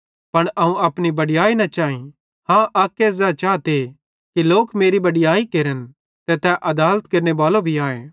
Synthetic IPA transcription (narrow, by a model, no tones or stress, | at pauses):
pɐɽ̃ʔɐɦũɐpnibɐɽɪjaːinɐt͡ʃaːĩ | hãːʔaːkːezɛt͡ʃaːt̪e | kiloːkmeːɾibɐɽɪjaːikeːɾən | t̪ɛt̪ɛʔɐd̪aːlət̪̚kɐɾnebaːlobʱiaːḛː